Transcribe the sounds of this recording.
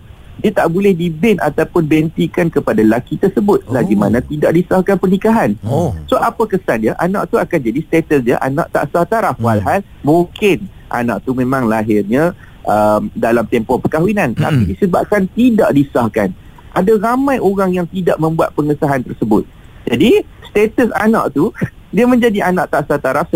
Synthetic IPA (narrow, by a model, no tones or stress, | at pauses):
diat̪aʔbolɛhdibɛna̰t̪awpʊnbɛnt̪ikankəpadalakit̪ərsəbʊt̪̚əlaɡimanãt̪idaʔdisahkanpərnikaɦansoapakəsand͡ʒaʔanã̰ʔt̪uakand͡ʒadist̪et̪əsd͡ʒə̰ʔa̰na̰ʔt̪a̰ʔsaht̪aɾafwalɦal | mũŋkɪnʔa̰nã̰ʔt̪umẽmãŋlaɦɪrɲã | ʔəmdalamt̪ɛmpɔhpəkaɦwinãnt̪a̰pidisəba̰p̚kant̪ida̰ʔdisahkan | ʔadaɾamãjoɾaŋjaŋt̪idaʔmə̃mbuat̪̚pəŋəsaɦant̪ərsəbʊt̪̚ | d͡ʒadist̪et̪əsa̰nã̰ʔt̪udiəmə̃ɲd͡ʒadiʔanaʔt̪aʔsat̪aɾafsə